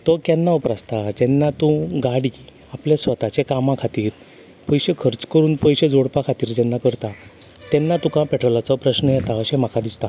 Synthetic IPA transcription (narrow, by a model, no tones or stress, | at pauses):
t̪ɔkɛnːaəpɾast̪ad͡ʑɛnːat̪ũɡaɽi | apljasʋət̪at͡ɕekamãkʰat̪iːɾ | pəjɕekʰəɾt͡skəɾuːnpəjɕed͡zoɽpakʰat̪iːɾd͡ʑɛnːakəɾt̪at̪ɛnːat̪ũkãpɛʈɾɔlat͡sɔpɾəɕnəjɛt̪aəɕɛm̤akʰad̪ist̪a